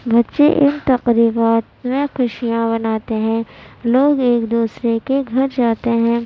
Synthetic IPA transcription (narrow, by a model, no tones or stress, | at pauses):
bɐtːʃḛʔɪnt̪ɐqɾiːbaːt̪mẽxʊʃijãbɐnaːt̪eɦɛ̃ːloːɡeːkd̪uːsɾekeɡʱɐɾd͡ʒaːt̪eɦɛ̃ː